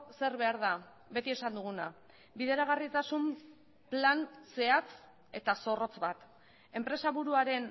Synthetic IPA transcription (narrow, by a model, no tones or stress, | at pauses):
se̞ɾβe̞aɾða | βe̞t̪ie̞sand̪uɣ̞una | biðe̞ɾaɣ̞arit̪asum | planse̞at͡s | e̞t̪aso̞ro̞t͡sβat̪ | e̞mpɾe̞saβuɾuaɾe̞n